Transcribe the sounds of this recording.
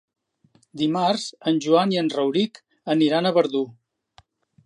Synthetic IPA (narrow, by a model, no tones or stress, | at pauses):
d̪imarzənʲʒuaniənrəwɾik | əniɾanəβəɾðu